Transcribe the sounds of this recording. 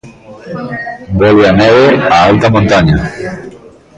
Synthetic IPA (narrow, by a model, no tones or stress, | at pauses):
bɔleanɛβeaalt̪amõnt̪aɲa